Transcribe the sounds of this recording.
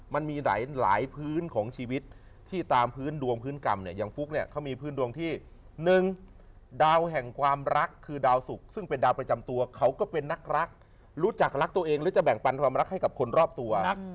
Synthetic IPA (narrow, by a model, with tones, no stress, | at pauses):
ma˧nmiː˧la̰ː˩˦jla̰ː˩˦jpʰɯː˦˥˩nkʰɔː˩˦ŋt͡ɕʰiː˧wi˦˥t̪̚ʰː | iː˥˩t̪aː˧mpʰɯː˦˥˩ndu˧əŋpʰɯː˦˥nka˧mni˥˩ja˧ŋfu˦˥k̚ni˥˩ɐkʰa˦˥wmiː˧pʰɯː˦˥ndu˧əŋt̪ʰiː˥˩ | nɯ˨˩ŋ | daː˧wɦɛ˨˩ŋkʰwaː˧mɾa˦˥kʰːɯː˧daː˧wsu˨˩k̚sɯ˥˩ŋpe˧ndaː˧wpɾa˧t͡ɕa˧mt̪u˧ɐkʰa˦˥wkɔː˥˩pe˧nːa˦˥k̚ɾa˦˥k̚ | ɾuː˦˥t͡ɕa˨˩k̚ɾa˦˥k̚t̪u˧ɐʔeː˧ŋlɯː˦˥t͡ɕa˨˩bɛ˨˩ŋpa˧nkʰwaː˧mɾa˦˥k̚ha˥˩jka˨˩p̚kʰo˧nɾɔː˥˩p̚t̪u˧ɐ